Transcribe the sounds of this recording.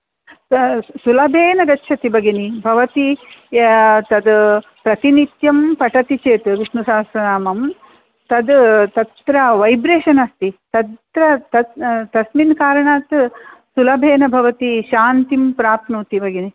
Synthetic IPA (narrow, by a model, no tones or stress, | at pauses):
sulɐbʱeːnɐɡɐtːʃʰɐt̪ibɐɡinibʱɐʋɐt̪i | t̪ɐd̪ | pɾɐt̪init̪jɐmpɐʈɐt̪it͡ʃeːt̪ʋiʂnusaːsɐnaːmɐm | t̪ɐd̪t̪ɐt̪ɾɐʋɐjbɾeːʃɐnɐst̪it̪ɐt̪t̪ɾɐt̪ɐt̪ɐsminkaːɾɐɳaːt̪sulɐbʱeːnɐbʱɐʋɐt̪iʃaːnt̪impɾaːpnuːt̪ibɐɡini